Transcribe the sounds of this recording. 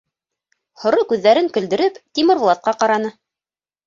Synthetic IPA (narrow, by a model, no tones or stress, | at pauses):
hŏɾokʉðːæɾɘŋkɵ̆ld̪ɘ̆ɾɘpt̪ʲimɘ̆ɾw̆lˠɑt̪̚qɑqɑɾɑnɤ